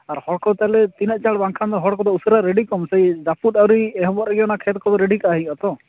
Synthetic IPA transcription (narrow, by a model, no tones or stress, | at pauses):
aɾhɔɽkɔt̪alɛt̪inaʔ̚t͡ʃaɽbaŋkʰand̪ɔɦɔɽkɔd̪ɔusɔɾaɾeɖikɔmsejd͡ʒaput̪awɾiɛɦɔbɔɛɡijɔnakʰet̪̚kɔd̪ɔɾeɖikaɦĩɔt̪ɔ